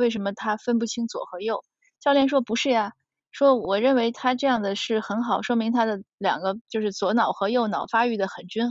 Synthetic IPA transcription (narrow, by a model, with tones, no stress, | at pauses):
we˥˩ɪʂ̬ə˧˥nmə˧t̪ʰa˥fə˥npu˥˩t͡ɕʰi˥ŋt͡swɔ̰˨˩xɤ˧˥jo˥˩ʊ | ɕjɑ˥˧ljɛ˥˩nʂ̬wɔ˥pu˧˥ʂɻ̩˥˩ja˩ | ʂwɔ˥wɔ˨˩ɻə˥˩nwe˧˥ɪt̪ʰa˥ʈ͡ʂɤ˥˧jɑ˥˩ŋd̪ə˩ʂɻ̩˥˩xə˧˥nxɑ˨˩ʊʂwɔ˥mi˧˥ŋt̪ʰa˥d̪ə˨ljɑ̰˨˩ŋɡə˦t͡ɕjo˥˧ʊʂɻ̩˥˩t͡swɔ˧˥nɑ˨˩ʊxɤ˧˥jo˥˩ʊnɑ˨˩ʊfa˥y˥˩d̪ə˩xə˨˩nt͡ɕy˥n